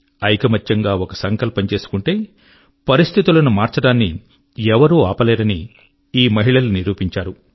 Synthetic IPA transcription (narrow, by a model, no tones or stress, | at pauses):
ɐjkɐmɐt͡ʃːɐŋɡaːokɐsɐŋkɐlpɐɲt͡ʃe̞ːsu̥kuɳʈe̞ː | pɐɾist̪ʰit̪ulɐnumaːɾt͡ʃɐɽaːnːi | ɛʋɐɾuːaːpɐleːɾɐni | iːmɐɦiɭɐluniɾuːpiɲt͡ʃaːɾu